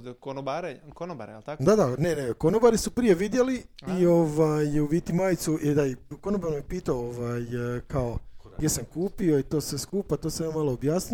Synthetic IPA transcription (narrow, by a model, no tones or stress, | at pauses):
konobaɾekonoba̰ɾa̰lt̪akd̪ad̪ane̞nekonobaɾisupɾije̞ʋid̪jeliio̞ʋajuʋiːt̪imaːjt̪suid̪aiko̞nobaɾmepiːt̪aooʋajkao̞ɡjʲe̞samkuːpio̞it̪o̞ːsʋeskuːpat̪osajammalˠoobjaːsni